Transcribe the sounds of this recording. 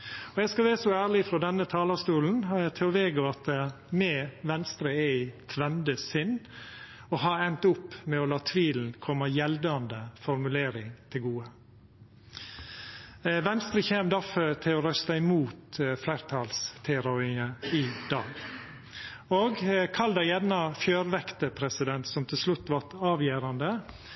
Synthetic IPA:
ɔjæɡskɑʋæːɾsɔæːɾɭɪfɾɔd̪ɛnːət̪ʰɑːlɑst̪uːln̩ɑæt̪ʰɪɔʋeːɡəɑt̪ə | mɛʋɛnst̪ɾəɛɪt̪ʰʋɛnd̪əsɪnː | ɔɦɑɾɛnt̪ʊpːmɛɔlɑːt̪ʰʋiːln̩kʰɔmːəjɛld̪ɑnd̪əfɔɾmʉleːɾɪŋt̪ʰɪlɡuːə | ʋɛnst̪ɾəçeːmd̪ɑfət̪ʰɪlɔɾœst̪ɑɪmuːt̪flæɪɾt̪ʰɑːlst̪ʰɛɾɔɪəɪd̪̥ɑːɡ | oːɡkʰɑld̪ɑjɛd̪nɑfjøːɾʋɛkt̪əpʰɾɛsɪd̪ɛnt̪sɔmt̪ʰɪlslʉt̪ːʋɑɾt̪ɑːʋjeːɾɑnd̪ə

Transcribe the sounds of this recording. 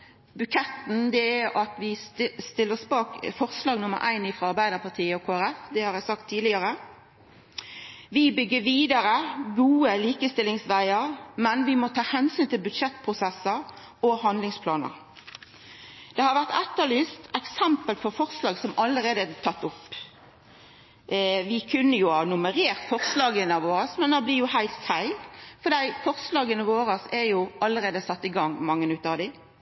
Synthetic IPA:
bʉkʰɛt̪n̩d̪ɛæɾɑt̪ʋɪst̪ɪlːəsbɑːkfɔʁslɑːɡnʊmːə̰ɾʔæ̰ɪnɪfʁɑɑɾbæɪd̪əpʰɑt̪ʰiːəɔkʰoːæɾɛfd̪ɛhɑɾæɪsɑk̚t̪ʰːiːd̪lɪəʁə | ʋɪbʏɡːəʋiːd̪əɾəɡuːəliːkəst̪ɪlɪŋsʋæɪəɾmɛnʋɪmot̪ʰɑːhɛnsyːnt̪ɪlbʉd̪ʂɛt̪ːpʰʁʊsɛsəɾ | ɔhɑnd̪lɪŋspʰlɑːnə̰ɾ | d̪̥ɛhɑɾʋæʁt̪ɛt̪ːəlɪst̪ɛksɛmpəlpʰɔfɔʁslɑːɡsɔmɑlːəʁeːd̪ət̪ʰɑt̪ːʊpː | ʋɪkʰʉnːəjʊhɑːnʊməʁeːʁt̪fɔʁslɑːɡənəɑʋoːʁəsmɛnd̪ɑblɪʁjʊhæɪlt̪fæɪlfɔd̪æɪfɔʁslɑːɡənəʋoːɾəsɛjʊʔɑlːəɾeːd̪əsɑt̪ːɪɡɑŋːmɑŋːənʉt̪ːəɑʋd̪ɪ

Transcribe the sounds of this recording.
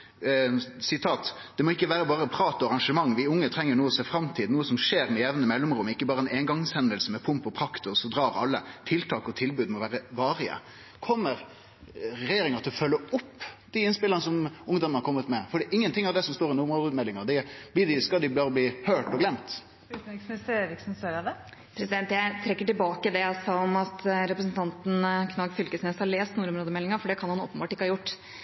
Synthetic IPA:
sɪt̪ʰɑːt̪ | d̪̥ɛmɔɪkːəʋæːɾəbɑːɾəpʰɾɑːt̪ɔɑʁɑŋʂəmɑŋːʋɪʊŋːət̪ʰɾɛŋːəɳuːəsɛfɾɑmt̪ʰiːd̪nuːəsɔmʂeːɾmɛjɛʋnəmɛlːɔmɾʊmɪkːəbɑːɾəɛneːŋɡɑŋshɛnd̪əlsəmɛpʰʊmpɔpʰɾɑkt̪ʊsɔd̪ɾɑːɾɑ̰lːə̰t̪ʰɪlt̪ʰɑːkɔt̪ʰɪlbʉːd̪mɔʋæːɾəʋɑːɾɪə̰ | kʰɔmːəɾ | ɾɛjeːɾɪŋəɾt̪ʰɪlɔfœlːəʊpːd̪̥ɪɪnspɪlːəʁnəsɔmʊŋd̪ɔmənhɑɾkʰɔmːət̪mɛfɔɖɛʔɪŋːənt̪ɪŋːɑɾd̪ɛsɔmst̪oːɾɪnʊɾmːd̪əːd̪mɛlːɪŋɑd̪ɪb̥lɪːd̪ɪskɑd̪ɪbɑːɔbliːhøːʈɔɡlɛmt̪ː | t̪ɪksn̩ɪsʋɪksn̩st̪œɾɑd̪ɛ | pʰɾɛsɪd̪ɛnt̪jæɪt̪ʰɾɛkːəʈɪlbɑːkəd̪ɛɔsɑɔmɑt̪ɾɛpɾəsnt̪ʰɑnt̪nkʰnɑɡfʏlkəsnɛshɑɭeːst̪nuːɾʊmɾoːd̪əmɛlːɪŋɑɾfɔɖɛkʰɑnhɑnoːpənbɑːʈɪkːəhɑːjʊʈː

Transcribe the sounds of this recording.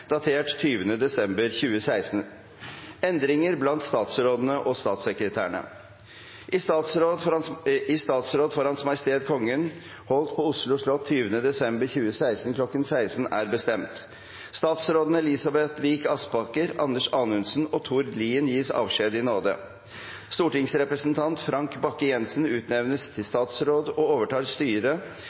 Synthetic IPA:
d̪̥ɑt̪ʰeːʈt̪ʰyːʋənəd̪ɛsɛmbəɾçʉːəsæɪsn̩ | ɛnd̪ɾɪŋəɾblɑnt̪st̪ɑːt̪sɾoːd̪ənəʔɔst̪ɑːt̪səkɾət̪ʰæ̰ːɳə̰ | ʔɪsɑ | ɪst̪ɑːt̪sɾoːd̪foːɾhɑnsmɑɪst̪eːd̪kʰɔŋːən | hɔlt̪pʰɔʊslʊʂɭɔt̪ʰːyːʋənəd̪ɛsɛmbəɾçʉːəsæɪst̪n̩kʰlɔkːənsæɪsn̩æːɾbəst̪ɛmt̪ | st̪ɑːt̪sɾoːd̪ənəlɪsɑbɛt̪ʋiːkɑspɑkəɾɑnəʂɑːnʉnsnɔt̪ʰuɾd̪liːənjiːsɑ̰ːʋʂeːd̪ɪnoːd̪ə̰ | st̪uːʈɪŋsɾɛpɾəsnt̪ʰɑnt̪fɾɑŋkbɑkːəjɛnsn̩ʉːt̪nɛʋnəst̪ʰɪlst̪ɑːt̪sɾoːd̪ɔoːʋəʈʰɑːɾst̪yːɾə

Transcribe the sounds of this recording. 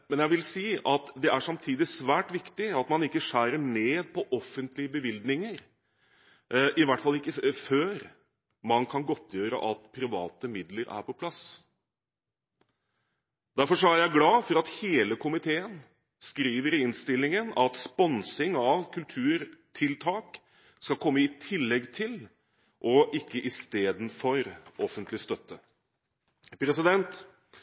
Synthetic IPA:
mɛnjæɪʋɪlsiːɑt̪d̪ɛʔæʂɑmt̪ʰiːd̪ɪsʋæːʈʋɪkt̪ɪɑt̪mɑnɪkːəʂæːɾəɳeːd̪̚pʰɔʔɔfːənt̪lɪəbəʋɪld̪nɪŋəɾ | ʔɪʋæʈːfɑlːɪkːəføːɾ | mɑnkʰɑnɡɔt̪ʰːjøːɾə̰ʔɑt̪pʰɾɪʋɑ̰ːt̪əmɪd̪ləɾʔæ̰ɾpʰɔpʰlɑs | d̪̥æɾfɔʂɔæɾjæɪɡlɑːfɔɾɑt̪heːləkʰʊmɪt̪ʰeːən | skɾiːʋəɾɪɪnst̪ɪlːɪŋənɑt̪spɔnsɪŋɑʋkʰʉlt̪ʰʉːɾt̪ʰɪlt̪ʰɑːk | skɑlkʰɔmːəɪt̪ʰɪlːɛɡt̪ʰɪl | ʔɔʔɪkːəʔɪst̪eːd̪n̩fɔɾɔfənt̪lɪst̪œt̪ːə | pʰɾɛsɪd̪ɛnt̪

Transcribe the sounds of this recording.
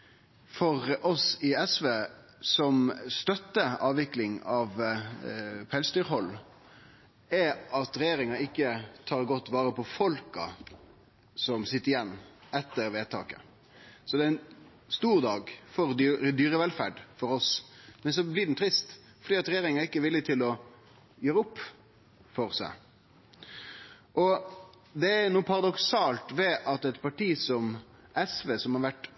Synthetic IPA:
fɔʁɔsɪɛsʋeː | sɔmst̪œt̪ːəɑːʋɪklɪŋɑʋ | pʰɛlsd̪yːɾɦɔlː | ɛɑt̪ɾɛjeːɾɪŋɑɪkːət̪ʰɑːɾɡɔt̪ːʋɑːɾəpɔfɔlkɑ̰ | sɔmsɪt̪ːəɾɪjɛnːɛt̪ːəɾʋeːt̪ʰɑ̰ːkə̰ | sɔd̪ɛɪn | st̪uːɾd̪ɑːɡfɔɾd̪d̪yːɾəʋɛlfæ̰ːɖfɔɾɔsmɛns̬ɔblɪd̪ɛn̩t̪ʰɾɪst̪ | fɔɖ̪iːɑt̪ɾɛjeːɾɪŋɑɪkːəʋɪlːɪt̪ʰɪlɔ | jøːɾəʊpː | fɔɾsæ̰ɪ | ʔɔ | d̪ɛænuːpʰɑʁɑd̪ɔksɑːlt̪ʋɛʔɑt̪ɛt̪pʰɑʈiːsɔm | ʔɛsʋeːsɔmhɑɾʋæʈ

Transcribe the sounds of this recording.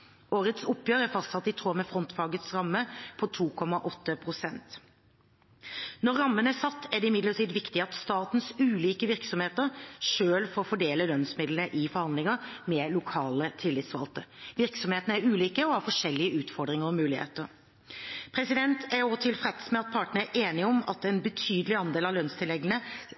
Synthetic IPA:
ʔoːɾət̪sʊpːjøːɾəæɾfɑst̪sɑt̪ːɪt̪ʰoːmɛfɾɔnt̪fɑːɡət̪sɾɑmːəpʰɔt̪ʰuːkʰɔmɑʔɔt̪ːəpʰɾʊsɛnt̪ | nɔɾːɑmːənəæsɑt̪ːæɖ̪ɛɪmɪd̪ləʈʰiːd̪ʋɪkt̪ɪɑt̪st̪ɑːt̪nsʉːliːkəʋɪɾksɔmheːt̪əɾʂøːlfoːɾfɔɖeːləlœnsmɪd̪lnəʔɪfɔɾhɑnd̪lɪŋəmɛlʊkʰɑːlət̪ʰɪlːɪt̪sʋɑ̰lt̪əʋɪɾksɔmheːt̪ənəæɾʉːliːkəɔhɑɾfɔʂɛlːɪəʉːt̪fɔɾɖ̪ɾɪŋəɾɔmʉːlɪhḛːt̪əɾ | pʰɾɛsɪd̪ɛnt̪ʰæɾɔːt̪ʰɪlfɾɛt̪əsmɛɑt̪̚pʰɑʈənəæʔeːnɪɔmɑ̰t̪ɛnbət̪ʰyːd̪əlɪɑnd̪eːlɑʋlœnst̪ʰɪlɛɡlənə

